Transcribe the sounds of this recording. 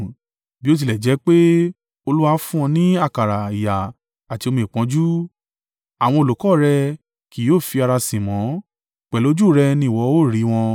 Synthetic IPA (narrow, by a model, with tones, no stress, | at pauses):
bi˦o˦t̬i˧lɛ˨d͡ʒɛ˨˦k͡pe˦ | o˧lu˦wa˧˦fũ˦ɔ̃˧nĩ˦a˦˨ka˨ɾa˨i˨ja˨ | a˨ti˧o˧mĩ˧˨k͡pɔ̃˨˦d͡ʒu˦ | a˨w̃ɔ̃˧o˧lo˨kɔ˦˨ɾɛ˧ | ki˨˦joː˦˨fi˧a˧ɾa˧sĩ˨mɔ̃˨˦ | k͡pɛ˨lo˨˦d͡ʒu˦˨ɾɛ˧nĩ˦˨wɔ˨˧˦o˦˨ɾi˨˦w̃ɔ̃˧